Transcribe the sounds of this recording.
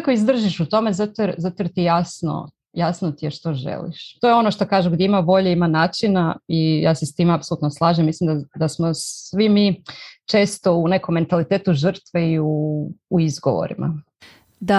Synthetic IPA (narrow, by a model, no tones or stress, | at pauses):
koizd̪r̩ʒiʃut̪o̞me̞zat̪ozat̪oɾt̪ijasno̰ | jasnot̪ijeʃt̪oʒḛlḭʃt̪ojeo̞noʃt̪okaːʒuɡdjeimaʋo̞ʎeimanaːt͡ʃinaija̰ːsest̪iːmeapsolut̪noslˠaːʒemːislimd̪ad̪asmosʋimit͡ʃe̞ːst̪o̞une̞komːe̞nt̪alit̪eːt̪uʒr̩t̪ʋeiuː | izɡoʋo̰ɾḭmʔa̰ | d̪a